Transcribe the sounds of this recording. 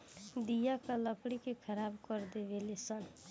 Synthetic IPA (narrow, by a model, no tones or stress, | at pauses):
d̪ijakaləkɽikekʰəɾabkəɾd̪ebelesən